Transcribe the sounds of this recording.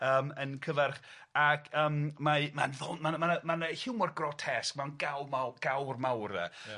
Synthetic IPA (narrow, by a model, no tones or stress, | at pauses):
əːmənkʰəvɛrχ | akʰəːmmamanðɔnmanmanəmanəhɪwmɔrɡrɔtʰɛskmanɡawmaɡ̥awrmawrðɛ̰